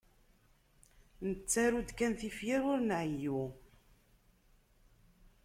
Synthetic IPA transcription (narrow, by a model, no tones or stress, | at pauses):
nət͡sːaɾud̪kænθifjiɾʊɾnʕəju